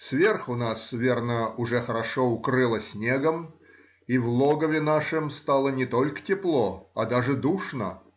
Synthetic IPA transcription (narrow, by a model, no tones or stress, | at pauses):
svʲerxʊnasvʲe̞rnəʊʐɛxəɾɐʂoʊkɾɨlˠəsʲnʲeɡəm | ivlˠoɡəvʲɪnaʂɨmst̪alˠənʲɪt̪olʲkə̥tʲɪplˠoɐd̪aʐɨd̪uʂnə